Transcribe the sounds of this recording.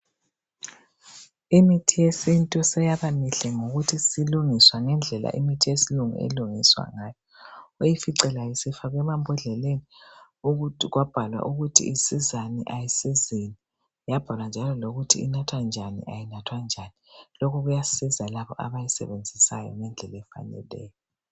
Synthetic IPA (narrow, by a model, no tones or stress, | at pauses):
imitʰijesintʼɔsɛjaβamiɬɛŋoɣutʰisiluŋiswaŋɛnd͡ɮʱɛla̰ʔḭmitʰijesiluŋṵḛluŋiswa̰ŋaːjɔojifiǀɛlajisifaɣɛmambʱɔɮɛleni | uɣuɣwab̥ʱalwa̰ʔuɣutʰḭisizanḭʔajisizini | jab̥ʱalwand͡ʒʱalɔloɣutʰḭḭnatʰwand͡ʒʱanḭʔajinatʰwand͡ʒʱanilokʰɔɣujasizalaβɔʔa̰βajisɛ̰βend͡zʱisa̰jɔ̰ŋɛnd͡ɮʱɛlɛfa̰nɛ̰lɛ̰ːjɔ